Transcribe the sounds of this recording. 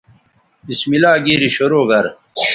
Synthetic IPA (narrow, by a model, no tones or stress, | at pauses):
ismilaːɡeːɾiɕoɾoːɡɐɾ